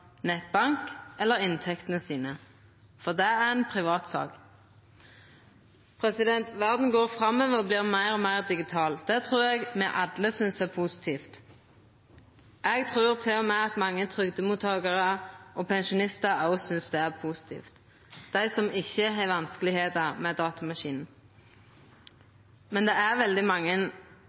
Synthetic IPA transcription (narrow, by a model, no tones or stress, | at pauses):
nɛt̪̚bɑŋkɛlːəʁɪnt̪ʰɛkt̪ənəsiːnə | fɔʁd̪ɛæʁɛnpʰʁɪʋɑːt̪sɑ̰ːk | pʰʁɛsɪd̪ɛnt̪ʋæʁd̪n̩ɡoːʁfʁɑmːɛʋəɔbliːʁmæɪʁɔmæɪʁd̪ɪɡɪt̪ʰɑːld̪̥ɛt̪ʰʁʉːʁɛɡmɛʔɑd̪ləsʏnsæpʰusɪ̥t̪ʰiːft̪ | ʔɛɡt̪ʰʁʉːʁt̪ʰɪlɔmɛɑt̪mɑŋːət̪ʰʁʏɡd̪əmuːt̪ʰːɑːɡəʁəʔɔːpʰɛnʃʊnɪst̪əʁɑʊsʏnsd̪ɛæʁpʰusɪ̥t̪ʰḭːft̪ | d̪̥æɪsɔmɪçːəɦæɪʋɑnskəlɪheːt̪əʁmɛd̪ɑːt̪ɑmɑʃiːnn̩ | mɛnd̪ɛæʁʋɛld̪ɪmɑŋːən